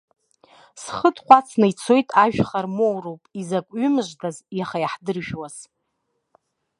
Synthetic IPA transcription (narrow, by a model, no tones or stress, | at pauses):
sχədqʷat͡sʰnait͡sʰo̞jtʼaʒᶣχarmowrowpʼizakʷʼɥʏmɨʒʷdazjaχajaħdɨrʒᶣwaz̥